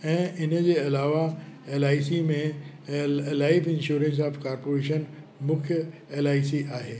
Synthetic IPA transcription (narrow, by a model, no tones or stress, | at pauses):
ɛ̃ːʔɪnə̆d͡ʑeːɐlaːʋaeːlaːisimẽ | laːɪfɪ̃nʃuːɾə̃ns̬aːfkaːɾpoːɾeːʃən | mʊ̃kʰjəeːlaːisiaːɦeː